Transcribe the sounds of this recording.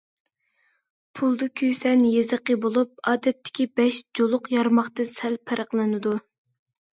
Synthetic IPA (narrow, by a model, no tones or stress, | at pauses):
pʰulˠd̪ɨkʲʰøjsɛnjezəqəbolˠup̚ɑːd̪ɛt̪ʰːɪ̥kʲibɛʃd͡ʒolˠʊqjɑɾmɑχt̪ɨnsɛlpʰæɾəqlˠɨnɨd̪u